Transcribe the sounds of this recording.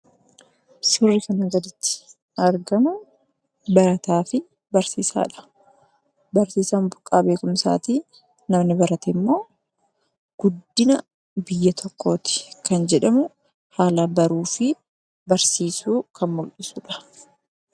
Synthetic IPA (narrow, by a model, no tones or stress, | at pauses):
sʊrːɪkɐnɐɡɐd̪ɪt̪ːɪ̥ | ɐɾɡɐmʊ | bɐɾɐt̪aːfɪ | bɐɾsiːsa̰ːᶑɐ̥ | bɐɾsiːsaːmbʊkʼːaːbe̞ːkʊmsa̰ːt̪iː | nɐmnɪbɐɾɐt̪ɛmːo̞ː | ɡ̥ʊd̪ːɪnɐ | bɪjːɐt̪ʰɔkʰːo̞ːt̪ɪ̥kɐnd͡ʒɛᶑɐmʊ | haːlaːbɐɾuːfɪ | bɐɾsiːsuːkɐnmɔlɗɪsuːᶑɐ̥